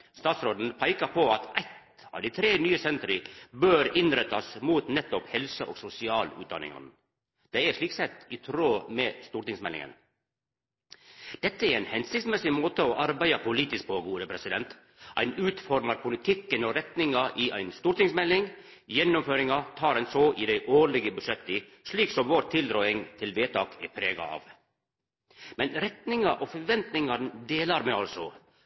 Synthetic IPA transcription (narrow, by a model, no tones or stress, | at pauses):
st̪ɑːt̪sɾoːd̪n̩pʰæɪkɑpʰoɑt̪ʔæɪt̪ | ɑ̰ʋd̪iɪt̪ʰɾeːnyːəsɛnt̪ɾɪbøːɾɪnɾɛt̪ːɑsmuːt̪nɛt̪ːɔphɛlsəʔo̰ːɡsʊsɪɑːlʉ̰ːd̪ɑ̰nɪ̰ŋɑ̰n | d̪̥ɛɪæʂɭiːksɛt̪ːɪt̪ʰɾoːmeːst̪uːɾt̪ɪŋsmɛlɪ̰ŋə̰n | d̪̥ɛt̪ːəæɾæɪnhɛnsɪkt̪smɛsɪmoːt̪əɔʔɑɾbæɪɑpʰʊliːt̪ɪsk̚pʰoːɡuːd̪əpʰɾɛsɪd̪ɛnt̪ | ʔæ̰ɪnʉːt̪fɔɾmɑɾpʰʊlɪt̪ʰɪkːənoːɾɛt̪nɪŋɑʔiʔæ̰ɪnst̪uːɾʈ̪ɪŋsmɛlːɪŋ | jɛnːʊmføːɾɪŋɑt̪ʰɑːɾɛnsoʔid̪æɪʔoːɾɭɪɡəbʉʂɛt̪ːɪ | ʂɭiːksɔmʋoːɾt̪ʰɪld̪ɾɔʏɪŋt̪ʰɪlʋeːt̪ʰɑːkɛ̰ɾpʰɾeːɡɑ̰ɑ̰ːʋ | mɛnɾɛt̪nɪŋɑʔofɔɾʋɛnt̪nɪŋɑɾnd̪eːlɑɾmɛːɑlsɔ